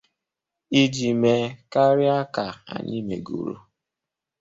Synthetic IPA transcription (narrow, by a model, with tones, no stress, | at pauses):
i˦d͡ʒi˨me˨ka˦ɾɪ˦a˦ka˨a̰˨ɲi˦mḛ˨ɡṵ˨ɾo̰˦